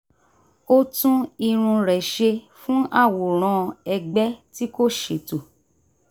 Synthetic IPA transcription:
o˦tũ˦i˧ɾ̃ũ˧ɾɛ˨ʃe˧ | fũ˦ʔa˦˨wu˨ɾ̃ɔ̃˧ɛ˧ɡ͡bɛ˦ti˦ko˦ʃe˨to˨

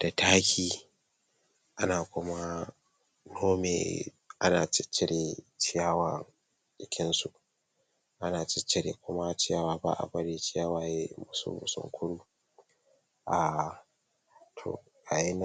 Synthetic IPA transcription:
d̥a˨tʰaː˦kʲʰiː˨ | ʔa˦naː˨kʷʊ˦ma˦ | noː˦mḛ˨ | ʔa˦naː˨t͡ʃɪ˦t͡ʃːɪ˦ɽeː˨t͡ʃɪ˦jaː˦wa˨ | ɗʼɪ˦kʲɪ˦nsu˨ʔ | ʔa˦naː˨t͡ʃɪ˦t͡ʃːɪ˦ɽḛː˨kʷʊ˦ma˦t͡ʃɪ˦jaː˦waː˨ba̰˦ʔa̰˨bɐ˦ɽeː˦t͡ʃɪ˦jaː˦waː˨je˦mʊ˨sṵ˦bʊ̰˨sʊ̰˦ŋkʷʰʊ˦ɽuː˦ | ʔaː˨ | tʰo̰˨ | ʔa˨ja˦n˦

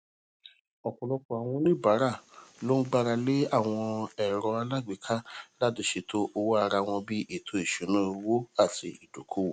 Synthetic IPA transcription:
ɔ˨kɔ˨lɔ˧kɔ˨a˨w̃ɔ̃˧nĩ˦˨ba˨˦ɾa˦˨lo˦n̩˦ɡ͡ba˧ɾa˧le˦a˦˨w̃ɔ̃˧ɛ˨ɾɔ˧a˧la˦˨ɡ͡bi˨kʰa˦la˦˨dũ˧˦ʃe˧to˦ʔo˧wo˦a˧ɾa˧w̃ɔ̃˧bi˦ʔe˦˨tʰo˦i˨ʃũ˨˦nũ˦˧wo˦a˦˨ti˧i˨do˨kʰo˦wo˨

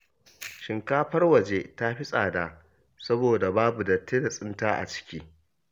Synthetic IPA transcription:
ʃɪ˨ŋkaː˦ɸɐ˦rwɐ˨d͡ʒeː˦ta˦ɸɪ˦sʼaː˨da˨ʔ | sɐ˦boː˨da˨baː˦bu˨dɐ˨tːeː˦da˨sʼɪ˦ntaː˦ʔa̰˨t͡ʃɪ̥˦kʲiː˦

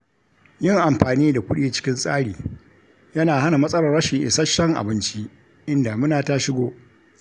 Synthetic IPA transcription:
jɪ˦˨ŋʔa˨mɸaː˨niː˦da˨kʷʊ˦ɗiː˦˨t͡ʃɪ̥˦kʲɪ˦nsʼaː˦ɽiː˨ | jɐ˦naː˨ha˦na˨mɐ˦sʼɐ˦lɐ˨rːɐ˦ʃɪ˨ŋʔɪ̰˨sɐ˦ʃɐ˦ŋʔa̰˨bɪ˦nt͡ʃi˦ʔ | ʔɪ˦nda˨mʊ˦naː˨ta˦ʃɪ˦ɡʷoː˦

